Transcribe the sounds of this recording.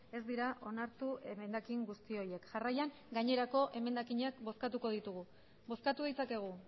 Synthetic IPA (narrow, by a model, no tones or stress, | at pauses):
e̞zd̪iɾaʔo̞naɾt̪ue̞me̞nd̪akiŋɡust̪io̞ɾje̞kʝarajaŋ | ɡaɲe̞ɾako̞ʔe̞me̞nd̪akiɲakbo̞skat̪uko̞ð̞it̪uɣu | bo̞skat̪uðit͡sake̞ɣ̞u